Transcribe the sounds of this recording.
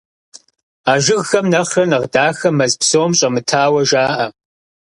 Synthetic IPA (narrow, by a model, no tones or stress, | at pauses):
aːʒɪɣxɐmnɐχɐnɐʁdaːxɐmːɐzpsoːmɕʼɐmɨtʰaːwɐʒaːʔɐ